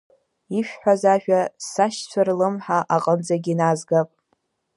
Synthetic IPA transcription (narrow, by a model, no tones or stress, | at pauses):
iʃᶣħʷᶣazaʒᶣasaʃt͡ɕʷʰarlɨmħaʔaqʼəmd͡zaɡʲinazɡapʼ